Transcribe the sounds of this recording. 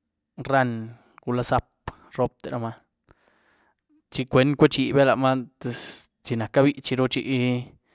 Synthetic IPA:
ɾa˦n | ɡ̥u˧la˦sa˦p̚ | ɾo˦p̚t̪e˧ɾa˧ma˦ | t͡ʃi˧kʷe˦n̚kʷa˦t͡ʃi˧be˦la˨ma˦t̪e˧s | t͡ʃi˧na˨ka˦bi˦ʔt͡ʃi˧ɾo˦t͡ʃi˧ʔ

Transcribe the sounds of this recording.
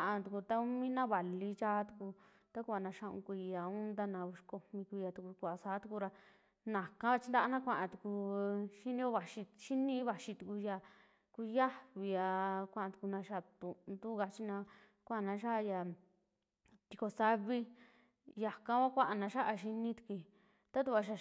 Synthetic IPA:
a˦˧ʔã˧t̪u˧ku˧t̪a˦u˦mĩ˦nã˦βa˨li˧t͡ʃa˦t̪u˧ku˧ | t̪a˦ku˧βa˨nã˧ʃã˧ʔṵ̃˧kʷi˧ja˨ũ˦nd̪a˦nã˧u˧ʃko˧hmĩ˧kʷi˧ja˧t̪u˧ku˧ku˧a˧˨saː˨˦t̪u˧ku˧ɾa˧ | nã˨kã˦βa˦˧t͡ʃi˦nd̪a˦ʔa˦nã˦kʷã˧ʔã˧t̪u˧ku˧ʃi˦nĩ˦o˦βa˨ʃi˧ʃi˦nĩ˦βa˧ʃi˧t̪u˧ku˧ja˧ | ku˧ja˦βi˧a˧kʷã˦ʔã˧t̪u̥˧ku˧nã˧ʃa˦t̪u˨nd̪u˦ɣa˧t͡ʃi˦nã˧ | kʷa˦ʔa˧nã˧˦ʃa˦˧ja˧˨ | t̪i˧ko˧sa˧βi˦ | ja˨kã˧˦ka˦kʷã˦ʔa˧nã˧ʃa˦ʔa˧ʃi˧nĩ˦t̪u̥˧kʷi˧ | t̪a˦t̪u˧a˧ʃ̬a˧

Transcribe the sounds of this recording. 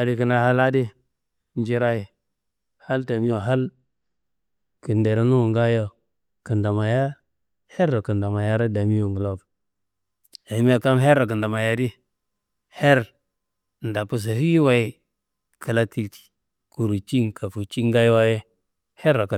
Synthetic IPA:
a˨di˨ki˨na˨ha˦la˦di˦ | n˦d͡ʒi˦ɾa˦i˨ | ha˦lta˨mi˦jo˨ɦa˦l | ki˨nde˨ɾa˦nu˦wu˨ŋɡa˦jo˦ | kə˨nda˨ma˨ja˦ | he˦ɾːo˨kə˨nda˨ma˨ja˦ɾa˦da˨mi˦jo˨ŋɡə˨lo˦b | a˨i˨˦mi˦a˨ka˦mɦe˦ɾo˨k̬ə˨nda˨ma˨ja˨ɾi˦ | he˦ɾ | n̩˨da˨pu˨s̬a˨fi˦wa˨i˨ | kʰə˨la˦ki˦˨lt͡ʃi̥˨ | ku˨ɾu˨t͡ʃi˦ŋka˨fu˨t͡ʃi˦ŋ˦ɡa˦i˦wa˦je˦ | he˦ɾo˨k

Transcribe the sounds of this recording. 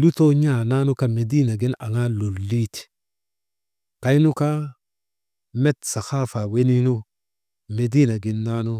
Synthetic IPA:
lu˦t̪o˦ɲa˦˨naː˦nu˦ka˦me˨diː˦na˨ɡi˦na̰˨ŋa˦lu˨lːi˦t̪i̥˨ | ka˦jnu˦ka˦ | me˦t̪sa˨xa˦fa˨we˦ni˦nu˦ | me˨di˦na˨ɡi˦nːaː˦nu˦

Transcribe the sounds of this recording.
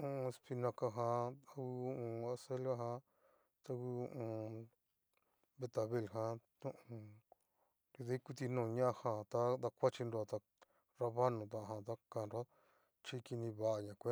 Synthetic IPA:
ũ˧e˧spi˧nã˧ka˧ɦã˧a˦ku˧˦ũ˧a˧se˦lɣa˦ɦã˧ | t̪a˦ku˦˧ʔũ˧ | βe˧t̪a˨βe˦˨lɦã˧t̪ũ˦ʔũ˧ | ɾi˧ðe˦ku˧t̪i˧nõː˦˧˨ɲã˦a˧hã˨t̪a˧d̪a˧kʷa˦t͡ʃi˧ndo˧a˧t̪a˧ | ɾa˧βa˦nũ˨t̪̬ã˧˨˧ɦã˧t̪a˦ka˧˨nɾo˧a˦ | t͡ʃi˦ki˧nĩ˧βa˨ʔa˧˨ɲã˨kʷe˦

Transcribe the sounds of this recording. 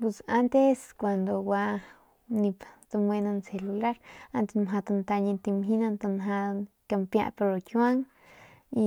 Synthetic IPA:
pe˧˨sa˦nt̪e˦skʷa˨nd̪o˨wa˧ | ni˧pt̪a˧mwe˧na˧nse˨lu˧la˦ɾa˦nt̪e˧smɦa˧t̪a˧nt̪a˧ɲi˧nt̪i˧mɦi˦na˧nt̪a˧nɦa˧ | ka˧mpja̰˧pe˧ɾo˨kʲa˦ŋ | i˧

